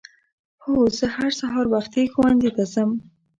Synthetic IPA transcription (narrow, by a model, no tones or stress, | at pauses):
hozəhaɾsaɦɑɾbaxt̪exwand̪it̪asam